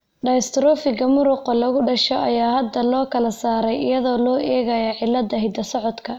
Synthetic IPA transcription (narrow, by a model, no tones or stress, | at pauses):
ɖɐst̪ɾɔːfɪɣɐmʊɾʊqɔlɐɣʊɖɐʃɔʔɐjaːhɐd̪ɐlɔːkʰɐlɐsaːɾɛjɪjɐðɔːlɔːʔɛːɣɐjɐʕɪlːɐd̪ɐɦɪd̪ɐsɔʕɔd̪kʰɐ